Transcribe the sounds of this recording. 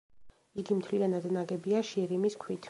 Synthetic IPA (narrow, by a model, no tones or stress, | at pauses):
iɡimt̪ʰlianad̪naɡɛbiaʃiɛɾimiskʰwit̪ʰ